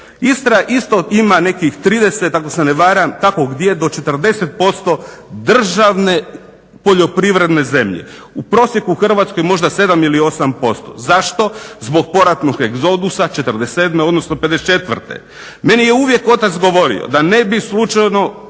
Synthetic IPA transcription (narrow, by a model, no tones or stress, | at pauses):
ist̪ɾaʔist̪o̞imane̞kixt̪ɾiːd̪e̞set̪ːakoseneʋaːɾamkako̞ɡd̪je̞d̪o̞t͡ʃe̞t̪r̩d̪e̞set̪̚po̞st̪o̞d̪r̩ʒaʋne̞ | po̞ʎo̞pɾiʋɾe̞d̪ne̞ze̞mʎḛ | upɾo̞ːsjekuuxr̩ʋat̪sko̞jmo̞ʒd̪ase̞d̪amilio̞sampo̞st̪o̞̰zaʃt̪o̞zbo̞ɡ̚po̞ɾat̪noɡeɡzo̞d̪usat͡ʃe̞t̪ərd̪esed̪meod̪nosnoped̪et͡ʃe̞t̪ʋr̩t̪ḛ | me̞nijeuʋje̞ko̞t̪at̪sɡo̞ʋo̞ɾḭo̰d̪ane̞bislˠut͡ʃajno̞